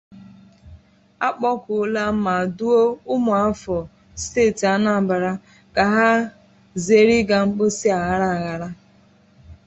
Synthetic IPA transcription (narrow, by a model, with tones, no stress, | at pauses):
a˦k͡pɔ˦kʊ˨˦la˦m̩˦ma˨du˦o˦ʊ˦mʊ˨a˦fɔ˨ | steː˦˨ti˨a˦na˨ba˨ɾa˦ | ka˨ɦa˦ | ze˦ɾi˦ɡa˨ŋ͡m̩˦k͡pʊ˦si˦a˨ɣa˦ɾa˦a˨ɣa˨ɾa˦